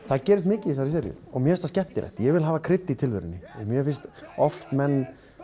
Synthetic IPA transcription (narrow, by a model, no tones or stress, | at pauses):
θaðcɛːɾɪst̪mɪːcɪis̬aɾis̬ɛːɾjʏ̰ɔ̰ɣmjɛɛst̪ascɛht̪ɪɾɛ̰ht̪ɪjɛɣvɪlɦaːvakʰɾɪt̪ːɪit̪ʰɪlvɪɾɪ̰nːɪɛmjɛfɪnst̪ɔft̪mɛnː